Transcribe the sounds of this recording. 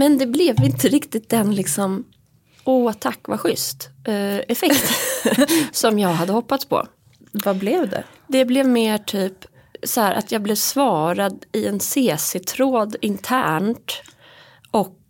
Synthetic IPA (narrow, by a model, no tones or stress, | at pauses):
mɛnd̪ɛblɛvɪnt̪əɾɪkt̪ɪt̪̚d̪ɛnlɪksɔm | uːt̪ʰakːvaɧʏst̪ɛfɛkkt̪ | sɔmjɑːɡɦad̪ːəhɔpːat̪spʰɔ̰ | vablɛvd̪ɛ̰ | d̪ɛblɛvmeːʈʰyːp | sɔhæːɾʔa̰t̪ʰjɑːɡblɛvsvɑːɾad̪ɪɛnseːsɪt̪ʰɾoːd̪ɪnt̪ʰæːɳʈ | ʔɔk̚